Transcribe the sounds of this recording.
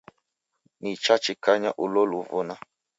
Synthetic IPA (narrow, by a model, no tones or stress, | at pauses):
nit͡ʃat͡ʃikaɲaʔuloluvuna